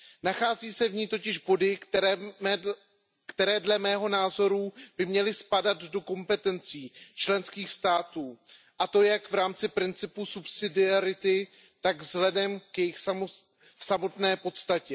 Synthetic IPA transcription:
naxaːziːsɛvɲiːt̪o̞cɪʒbo̞dɪ | kt̪ɛɾɛːdlɛmɛːɦo̞naːzo̞ɾub̥ɪmɲɛlɪspadad̪do̞ko̞mpɛt̪ɛnt͡siːt͡ʃlɛnskiːxst̪aːt̪uː | ʔat̪o̞jakvɾaːmt͡sɪpɾɪnt͡sɪpusupsɪdɪaɾɪt̪ɪ | t̪aɡvzɦlɛdɛmkjɛjɪxs | samo̞t̪nɛːpo̞t̪st̪acɛ

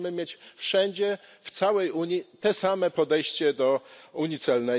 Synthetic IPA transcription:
mɘmʲjet͡ɕfʂɛɲd͡ʑɛft̪sawɛjuɲit̪ɛsamɛpɔd̪ɛjɕt͡ɕɛd̪ɔuɲit̪sɛlnɛ

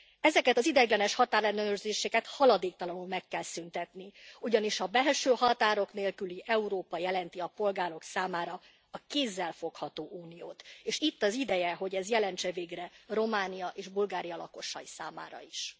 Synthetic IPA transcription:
ɛzɛkɛt̪ɒzid̪ɛɡlɛnɛʃhɒt̪aːɾlɛnøørzeːʃɛkɛt̪hɒlɒd̪eːk̚t̪ɒlɒnulmɛkːɛlsynt̪ɛt̪niuɟɒniʃhɒbɛlʃøːhɒt̪aːɾo̞kneːlkyliʔɛuɾoːpɒjɛlɛnt̪iɒpo̞lɡaːɾo̞ksaːmaːɾɒ | ɒkeːzːɛlfo̞khɒt̪oːʔuːnijoːt̪eːʃit̪ːɒzid̪ɛjɛɦo̞ɟɛzjɛlɛnt͡ʃɛveːɡrɛro̞maːnijɒʔeːʒbulɡaːɾijɒlɒko̞ʃɒjisa̰ːma̰ːɾɒ̰iʃ

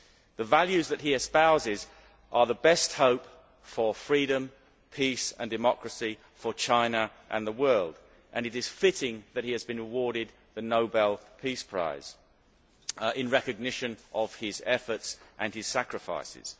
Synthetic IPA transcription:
ðəvælˠjʉzðɨt̚ɦiɨspaʊzɪz | ʔə˞ðəbɛst̚hoʊp | fə˞fɹiɾɨ̃m | pʰisə̰̃ndɨmɑkɹɨsi | fə˞t͡ʃʰãɪ̃nəʔə̃nðəwɜ˞lˠd | ʔɨ̃nɨɾɨz̥fɪɾɪ̃ŋðɨt̚hiɨzbɨ̃nɹɨwɔɹɾɪd̪̚ | ðɨnoʊbɛlˠpʰispʰɹ̥a̰ɪz̥ | ɪ̃nɹɛkɨɡ̚nɪʃɨ̃nʔəv̥ɪzɛfə˞tsʔɨ̃nɨz̥sækɹɨfa̰ɪsɪ̰z̥

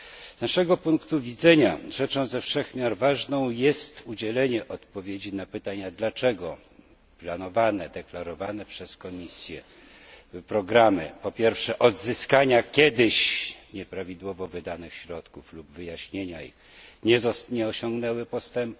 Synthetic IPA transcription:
znaʂɛɡɔpuŋkt̪uvʲid̪zɛɲaʐɛt͡ʂɔ̃w̃zɛfʂɛxmʲjaɾvaʐnɔ̃w̃jɛst̪ud͡ʑɛlɛɲɛʔɔt̪pɔvʲjed͡ʑinapɘt̪aɲad̪lat͡ʂɛɡɔ | planɔvanɛd̪ɛklaɾɔvanɛpʂɛskɔmʲisʲjɛ | pɾɔɡɾamɘ̰pɔpʲjɛɾfʂɛʔɔd̪zɘskaɲakʲɛd̪ɘɕɲɛpɾavʲid̪wɔvɔvɘd̪anɘxɕɾɔt̪kuflubvɘjaɕɲeɲai | ɲɛzɲɛɔɕɔŋɡnɛwɘpɔst̪ɛmp

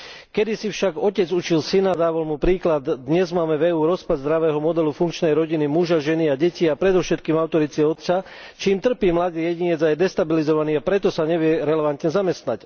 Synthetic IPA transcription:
kɛd̪isifʃaɡɔcɛd͡zut͡ʃilsinad̪aːʋalmupɾiːklad̪d̪ɲɛzmaːmɛvɛuːɾɔspad̪zd̪ɾaʋɛːɦɔmɔd̪ɛlufuŋkt͡ʃnɛjɾɔɟinimuʒaʒɛniaɟɛciapɾɛd̪ɔʊfʃɛt̪kiːmaʊt̪ɔɾit͡siɔt̪t͡sa | t͡ʃiːmt̪r̩piːmlad̪iːjɛɟiɲɛd͡zajɛd̪ɛst̪abilizɔʋaniːapɾɛt̪ɔsaɲɛʋɪɛɾɛlɛʋant̪ɲɛzamɛst̪nac

